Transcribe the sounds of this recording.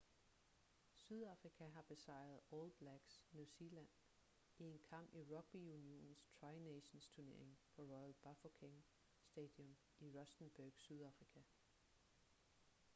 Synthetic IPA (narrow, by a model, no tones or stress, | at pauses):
syðˠɑ̈fʁikʰæɦɑ̈b̥e̝sɑ̈ɪ̰ɐð̞̩ˠɔlb̥læɡ̥snuselæn̰ | ie̝nkʰɑ̈m̰b̥iʁɒ̽ɡ̥̚b̥iunio̝̰ːnn̩st͡sʰʁɑɪneɕnst͡sʰuɐne̝ɐ̰eŋpʰɒ̽ʁɔɪl̥b̥ɑfokʰeŋ | sd̥ɛːd̥jɔ̽m | iʁɒ̽sd̥n̩b̥æɡ̥syð̞ˠɑ̈fʁikʰæ